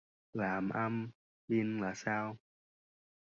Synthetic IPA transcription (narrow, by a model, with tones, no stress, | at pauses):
laː˨˩mʔa˧m | ɓi˧ənlaː˨˩saː˧w